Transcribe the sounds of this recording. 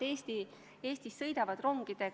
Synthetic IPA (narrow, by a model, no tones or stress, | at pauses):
eːst̪i | e̞ːsʲt̪isːɤjd̪ɑvɑd̪̥ro̞ŋɡ̥id̪̥e̞